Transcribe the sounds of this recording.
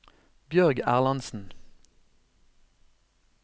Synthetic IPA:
bjœʁɡæ̰ːʁlɑnsn̩

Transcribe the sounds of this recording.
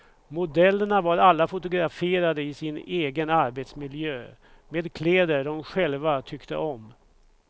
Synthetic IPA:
mʊd̪ɛlːəɳavaɾalːafʊt̪ʊɡɾafeːɾad̪əɪsɪneːɡənaɾbet̪smɪljøː | meːd̪kʰleːd̪əɖɔmɧɛlvat̪ʰʏkt̪ə̰ʔɔm

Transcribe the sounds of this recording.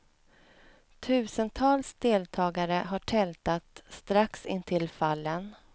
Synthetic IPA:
t̪ʰʉ̟ːsənt̪ʰɑːlsd̪eːlt̪ʰɑːɡaɾəɦaʈʰɛlt̪at̪st̪ɾaksɪnt̪ʰɪlfalːən

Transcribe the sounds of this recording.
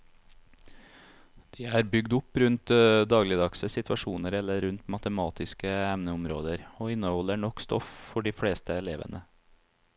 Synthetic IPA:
d̪̥iːæːɾbʏɡd̪ʊpɾʉnt̪d̪ɑːɡlɪd̪ɑksəsɪt̪ʰʋɑʃuːnəɾɛlːəɾʉnt̪mɑt̪əmɑːt̪ɪskəɛmnəʊmɾo̰ːd̪əɾoːɪnːəhɔlːəɳɔkst̪ɔ̰ffɔɖiːfɽeːst̪əɛleːʋə̰nə

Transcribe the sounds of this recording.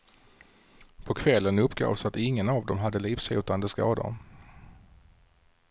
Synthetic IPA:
pʰɔkʰvɛlːənɵpːɡo̰ːvsat̪ɪŋːənavd̪ɔmɦad̪ːəliːfsʉːt̪and̪əskɑ̰ːd̪ə̰

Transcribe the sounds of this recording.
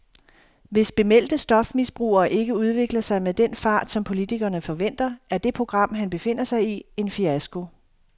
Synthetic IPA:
ʋe̝sb̥e̝mel̰d̥əsd̥ɒ̽fmisb̥ʁṵːɐːʔe̝ɡ̥əuð̞ˠʋe̝ɡ̥lɐsɑ̈ɪmeðˠd̥en̰fɑ̈ːd̥sɒ̽mpʰo̝lit͡sʰiɡ̥ɐːnəfɒ̽ʋen̰d̥ɐæɐd̥e̝pʰʁo̝ɡ̥ʁɑ̈m̰ɦænb̥e̝fe̝n̰ɐsɑ̈ɪie̝nfiæsɡ̥o̝

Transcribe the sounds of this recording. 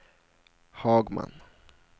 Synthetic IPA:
hɑːɡma̰n

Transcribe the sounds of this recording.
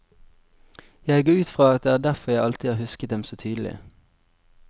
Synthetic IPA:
jæɪɡoːʉːt̪fʁɑːɑt̪̚d̪ɛæːd̪æʁfɔʁjæɪɑlt̪ʰɪɑːʁhʉskət̪̚d̪ɛmsoːt̪ʰyːd̪əl̩ɪ̰

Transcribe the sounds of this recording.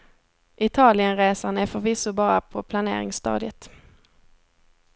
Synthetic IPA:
ʔɪt̪ʰɑːlɪənɾeːsanɛfœɾvɪsʊbɑːɾapʰɔpʰlanḛːɾɪ̰ŋst̪ɑ̰ːd̪ɪət̪

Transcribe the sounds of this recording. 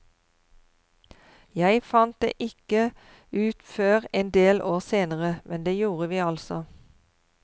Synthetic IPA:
jæɪfɑnt̪̚d̪ḛːʔɪkə | ʉːt̪føːʁeːnd̪eːlʔoːʁseːnəʁəmʔɛnd̪eːjuːʁəʋiːɑlsɔ

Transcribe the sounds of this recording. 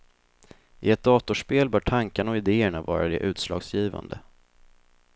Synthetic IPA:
ʔɪɛt̪̚d̪ɑːt̪ʊʂpeːlbœːʈʰaŋkaɳaɔɪd̪eːəɳavɑ̰ːɾad̪ɛʔʉ̟ːt̪slɑ̰ːɡsjiːva̰nd̪ə

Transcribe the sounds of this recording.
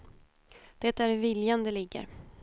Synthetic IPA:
d̪̥ɛt̪æɾvɪljand̪əlɪɡːə̰ɾ

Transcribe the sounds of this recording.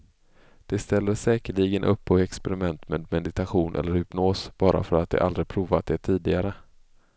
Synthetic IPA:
d̪̥ɛst̪ɛld̪əsɛːkəɭiɡənʔɵpːɔɛkspɛɾɪmɛnt̪meːd̪mɛd̪ɪt̪aɧuːnʔɛ̰lːəɾhɪpnoːsb̥ɑːɾʔa̰fœɾat̪̚d̪ɛ̰ʔa̰ld̪ɾɪpʰɾuːvat̪̚d̪eːʈ̪ʰiːd̪ɪɡaɾə

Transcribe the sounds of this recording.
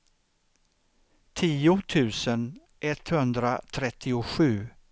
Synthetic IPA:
t̪ʰiːʊt̪ʰʉ̟ːsən | ʔɛt̪hɵnd̪ɾat̪ʰɾɛt̪ʰːɪʊɧʉ̟ː

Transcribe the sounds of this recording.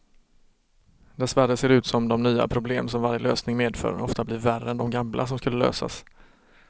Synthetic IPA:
d̪ɛsvæɾəseːɾʉ̟ːt̪sɔmd̪ɔmnyːa̰pʰɾʊblḛːmsɔmvaɾjəløːsnɪŋmeːd̪fœ̰ːɾɔft̪ablɪɾværəɛnd̪ɔmɡamlʔa̰s̬ɔmskɵlːəlø̰ːsa̰s

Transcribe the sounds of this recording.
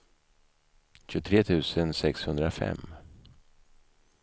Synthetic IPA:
ɕɵt̪ʰɾeːt̪ʰʉ̟ːsənsɛkshɵnd̪ɾafɛ̰mː

